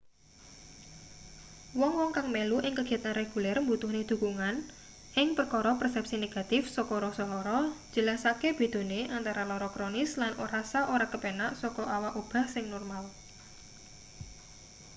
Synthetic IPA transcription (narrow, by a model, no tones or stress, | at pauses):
wɔŋwɔŋkaŋmeluʔɪŋkəɡ̥a̤t̪anreɡ̥ulɛrmbut̪uhned̪̥ṳkuŋan | ʔɪŋpərkɔɾɔpərsɛp̚sineɡ̥a̤t̪ɪfsɔkɔɾɔsɔlɔɾɔ̥d͡ʒ̥ə̤lasakeb̥e̤d̪̥o̤neʔant̪aɾalɔɾɔkɾonɪslanʔoɾasaʔoɾakəpenaʔsɔkɔʔawaʔob̥a̤hsɪŋnɔrmal